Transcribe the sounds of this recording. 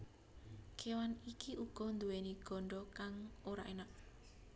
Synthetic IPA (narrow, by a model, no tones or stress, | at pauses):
kʰewanikiʔuɡ̥ɔ̤nd̪uweniɡ̥ɔ̤ɳɖɔkaŋoɾa̰ʔenak̚